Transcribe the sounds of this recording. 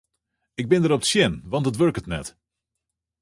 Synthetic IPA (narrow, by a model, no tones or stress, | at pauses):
ɪɡ̚bɪndəɾɔpətsjɪnʋɑntətʋɵɹkətnɛ̰t